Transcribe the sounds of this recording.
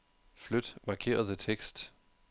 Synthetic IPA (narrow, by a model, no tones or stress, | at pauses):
flød̥mɑ̈kʰe̝̰ːɐðˠət͡sʰeɡ̥sd̥